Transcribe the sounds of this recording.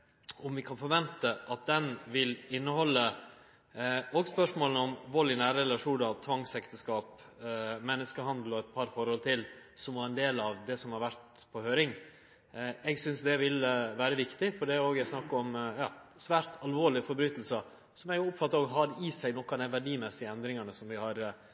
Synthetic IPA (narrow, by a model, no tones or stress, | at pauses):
ʔɔmʋɪkʰɑnfɔɾʋɛnt̪əʔɑt̪̚d̪ɛnʋɪlɪnːəhɔlːə | oːɡspœʂmoːlnəɔmʋɔlɪnæːɾəɛlɑʂuːnɑt̪ʰʋɑŋsɛkt̪əskɑːp | mɛnːəskəhɑnd̪lɔɛt̪̚pʰɑɾfɔɾhɔlt̪ʰɪlsɔmɑɾɛnd̪eːlɑʋd̪ɛsɔmhɑɾʋæɾt̪pʰɔhøːɾɪŋ | ɛɡsʏnsd̪ɛʋɪləʋæːɾəʋɪkt̪ɪfɔɖɛæoːɡæsnɑkːɔmjɑːsʋæːɾt̪ʰɑlʋoːɭɪfɔɾbɾyːt̪l̩sə | sɔmæɡjʊʊpfɑt̪ːɑɾoːɡɦɑd̪isænɔkːɑd̪æɪʋæɖiːmɛsɪəɛnd̪ɾɪŋɑɳəsɔmʋɪhɑɾ